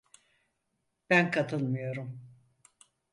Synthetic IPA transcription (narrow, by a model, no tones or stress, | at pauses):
b̥ænkʰat̪ʰɯlˠmɯjo̞ɾum